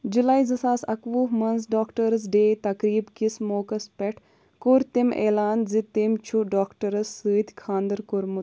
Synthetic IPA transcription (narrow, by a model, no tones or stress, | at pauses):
d͡ʒulaːizɐsaːsɐkʋuːɦmɐnzɖaːkʈɐɾɐzɖeːt̪ɐkɾiːbkismoːkɐspɛʈʰ | koɾt̪imḛːlaːnzit̪emt͡ʃʰuɖaːkʈɐɾɐsːɨːd̪ʲkʰaːnd̪ɐɾkoɾmu